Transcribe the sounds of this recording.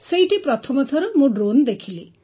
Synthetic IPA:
sejʈipɾɔt̪ʰɔmɔt̪ʰɔɾɔmũɖɾond̪ekʰili

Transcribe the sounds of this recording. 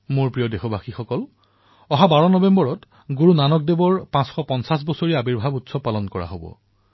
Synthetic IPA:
moɹpɹijɔdexobʱaxixɔkɔl | ɔɦabaɹɔnɔbembɔɹɔt | ɡuɹunanɔk̚debɔɹpãsxɔpɔnsas̬bɔsoɹiabiɹbʱabutsɔpalɔnkɔɹa̰ɦobɔ̰

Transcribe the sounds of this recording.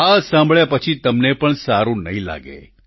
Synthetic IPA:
asãmbʱɭjapət͡ʃʰit̪əmnepəɳsaɾũnəɦĩla̰ɡḛ

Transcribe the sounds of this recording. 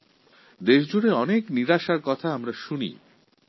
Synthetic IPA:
d̪eʃd͡ʑuɽeɔnekniɾaʃaɾkɔt̪ʰaamɾaʃunḭ

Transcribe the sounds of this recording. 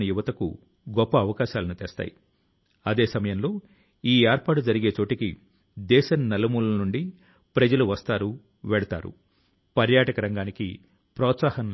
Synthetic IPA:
nɐjuʋɐt̪ɐkṵ | ɡɔpːɐːʋɐkaːʃaːlɐnut̪ɛ̰ːst̪a̰ːji | ɐd̪e̞ːsɐmɐjɐmlo̞ː | iːeːɾpaːʈud͡ʒɐɾiɡe̞ːt͡ʃo̞ːʈiki | d̪ɛːʃɐnnːɐlɐmuːlɐnuɳɖi | pɾɐd͡ʒɐluʋɐst̪aːɾu | ʋɛːɽɐt̪a̰ːɾṵ | pɐɾjaːʈɐkɐɾɐŋɡaːnikḭ | pɾɔːt̪saːhɐn

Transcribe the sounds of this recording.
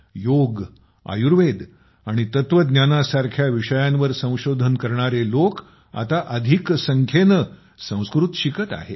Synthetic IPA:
joɡ | a̰juɾʋed̪ | aɽ̃it̪ət̪ʋəd̪njanasaɾkʰjaʋiʂəjãnʋəɾsə̃w̃ɕod̪ʱənkəɾɳaɾelok | a̰t̪aʔəd̪ʱiksəŋkʰenə | sə̃w̃skɾut̪ɕikət̪a̰ɦḛ

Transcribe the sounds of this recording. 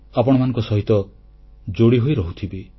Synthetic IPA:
apɔɽ̃ɔmanɔ̃ŋkɔsɔɦit̪ɔ | d͡ʒoɽiɦojɾɔɦut̪ʰibi

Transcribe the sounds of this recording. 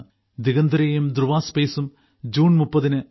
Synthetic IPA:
d̪iɣɐnd̪ɾeːjumd̪ɾuʋaːspeːsum | d͡ʑuːnmupːɐðinɨ

